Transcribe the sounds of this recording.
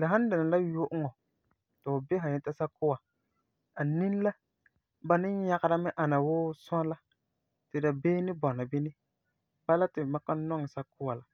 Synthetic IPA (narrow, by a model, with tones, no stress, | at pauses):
la˨ɦã˦n˦dɪ˨na˨la˦jʊ˦ʔŋɔ˨ | tɪ˨ʊ˨bɛ˦ɦã˨ɲɛ˦ta˦sa˦kʊ˦wa˨ | a˨ni˦n˦la˦ | ba˨nɪ˦ɲa˦ɣa˦ɾa˦mɪ˦ʔa˨na˨wʊː˦sʊ˦a˦la˦ | tɪ˨da˨beː˦nɪ˦bɔ˨na˨bɪ˦nɪ˦ | b̥a˦la˦tɪ˨ma˦ka˦nɔ˦ŋɪ˨sa˦kʊ˦wa˨la˨